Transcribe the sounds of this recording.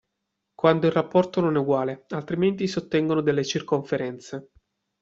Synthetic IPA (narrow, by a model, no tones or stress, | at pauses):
kwand̪oilrːapːɔrt̪ononɛuɡwaːlealt̪ɾiment̪isot̪ːɛŋɡonod̪elːet͡ʃirkoɱfeɾɛnt̪se